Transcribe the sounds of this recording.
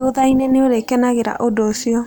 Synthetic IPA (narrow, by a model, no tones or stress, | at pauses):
oðaineneoɾekɛnaɣeɾa̰ʔodoːsiɔ